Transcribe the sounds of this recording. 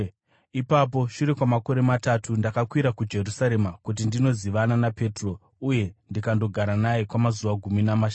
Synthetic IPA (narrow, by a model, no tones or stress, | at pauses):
ipap̬o̞ʃuɾe̞kwamako̞ɾe̞matatʰundakakwiɾakud͡ʒe̞rusaɾe̞makut̬indino̞ziʋananape̞tro̞ | uje̞ndikando̞ɡʱaɾanajekwamazuʋaɡʱuminamaʃa